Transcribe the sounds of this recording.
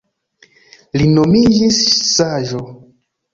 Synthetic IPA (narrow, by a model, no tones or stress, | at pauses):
linomid͡ʒisːaʒo